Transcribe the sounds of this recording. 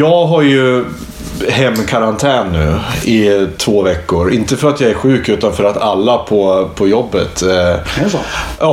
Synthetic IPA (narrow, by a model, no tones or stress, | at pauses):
jɑːɡɦaɾjɵ | ɦɛmːkʰaɾant̪ʰɛːnːʉ̟̰ːɪt̪ʰvoːvɛkːʊɾɪnt̪əfœɾat̪jɑːæɾɧʉ̟ːkʉ̟ːt̪anfœɾat̪alːapʰɔpʰɔjɔbːət̪ | ʔɑː